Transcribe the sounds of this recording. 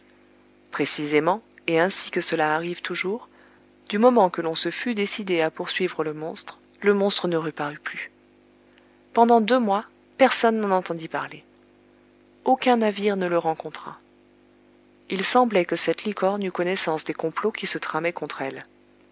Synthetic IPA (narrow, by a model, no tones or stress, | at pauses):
pχesizemɑ̃eɛ̃sikəsəlaːʁivt̪ʰuʒuʁ | d̪̥ymɔmɑ̃kəlɔ̃səfyd̪esid̪eapuʁsɥivʁələmɔ̃st̪χ | ləmɔ̃st̪χənəʁypaʁyply | pɑ̃d̪ɑ̃d̪ømwa | pɛʁsɔnːɑ̃nɑ̃t̪ɑ̃d̪ipaʁle | okɛ̃naviʁnələʁɑ̃kɔ̃t̪χa̰ | ilsɑ̃blɛkəsɛt̪likɔʁnykɔnɛsɑ̃sd̪ekɔ̃plokʲisət̪χamɛkɔ̃t̪χɛl